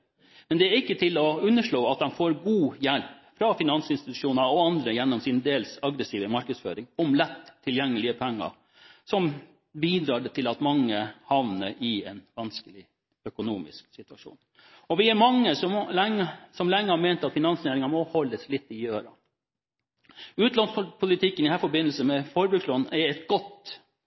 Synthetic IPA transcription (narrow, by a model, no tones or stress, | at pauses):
mɛnd̪ɛæɾɪkːət̪ʰɪlɔʉnːəʂɭoːɑt̪̚d̪ɛnfoːɾɡuːjælpfɾɑfɪnɑnsɪnst̪ɪt̪ʉ̥ʂuːnɑɾɔɑnd̪ɾəjɛnːɔmsɪnəd̪eːlsɑɡɾəsiːʋəmɑɾkəd̪sfø̰ːɾɪŋɔmlɛt̪ʰːɪljɛŋːəlɪəpʰɛŋːɑ̰ | sɔm | biːd̪ɾɑːɖət̪ʰɪlɑt̪mɑŋːəhɑʋnəɾɪɛnʋɑnskəlɪ | œkʊnuːmɪ̰sksɪt̪ʉɑʂṵːn | ɔʋɪæɾmɑŋːəsɔmlɛŋːəsɔmlɛŋːəhɑːɾmɛːnt̪ɑt̪fɪnɑnsjeːɾɪŋɑmɔhɔlːəslɪt̪ːɪøːɾɑ̰ | ʉːt̪lɑnspʰʊlɪt̪ʰɪkːənɪhæːɾfɔɾbɪnəlsəmɛfɔːɾəbɾʉkslɔnɛɾɛt̪ɡɔt̪